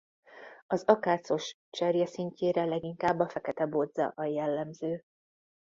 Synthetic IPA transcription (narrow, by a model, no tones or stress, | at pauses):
ɒzɒkaːt̪so̞ʃ | t͡ʃɛrjɛsiɲceːɾɛlɛɡiŋkaːbːɒfɛkɛt̪ɛbod̪zɒ̰ʔɒjɛlːɛmzøː